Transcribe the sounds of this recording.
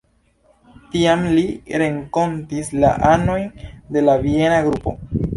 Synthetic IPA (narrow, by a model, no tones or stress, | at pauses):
tiamliɾe̞ŋko̞ntisla̰ʔano̞jnde̞lavie̞naɡɾupo̞̰